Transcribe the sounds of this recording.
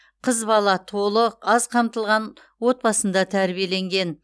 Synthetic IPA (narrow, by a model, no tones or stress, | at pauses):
qʰəzbɑlˠɑt̪ʰo̞lˠəqɑzqʰɑmt̪əlˠʁɑn | wo̞t̪̚pɑsənd̪ɑt̪ʰæɾbije̞le̞ŋɡʲe̞n